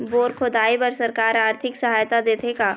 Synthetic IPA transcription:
boːɾkʰod̪aːipɐɾsɐɾkaːɾaːɾt̪ʰɪksɐɦaːjt̪ad̪eːt̪ʰekaː

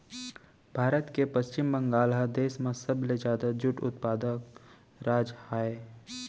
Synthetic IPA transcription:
bʱaːɾət̪kepɐst͡ʃɪmbə̃ŋɡaːlɦad̪eːsmẽsɐbled͡ʒjaːd̪ad͡ʒʊʈʊ̰t̪paːd̪ək | ɾaːd͡ʒaːeː

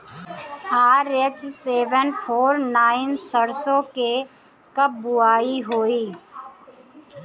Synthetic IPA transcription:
haːɾet͡ʃseːʋənpʰoːɾnaːɪnsəɽsõke | kəb̚bʊaːiɦoːiː

